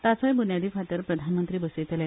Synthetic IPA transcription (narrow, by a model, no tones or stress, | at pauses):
t̪at͡səjbunjad̪iːfʰat̪əɾpɾəd̪ʱanmənt̪ɾiːbəset̪ele